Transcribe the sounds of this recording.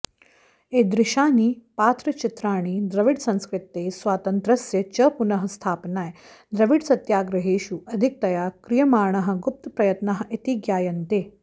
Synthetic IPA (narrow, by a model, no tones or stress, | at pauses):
eːd̪ɾɪʃaːniːpaːt̪ɾɐt͡ʃit̪ɾaːɳ̃iːd̪ɾɐʋiɖsɐ̃nskɾɪt̪eːsʋaːt̪ɐnt̪ɾɐsjɐt͡ʃɐpunɐɦɐ̆st̪ʰaːpnaːjd̪ɾɐʋiɖsɐt̪jaːɡɾɐɦeːʃuʔɐd̪ʱik̚t̪ɐjaːkɾijɐmaːɾɳɐɦɐ̆ɡup̚t̪ɐpɾɐjɐt̪nɐɦɐ̆ʔit̪iɡjaːjɐnt̪eː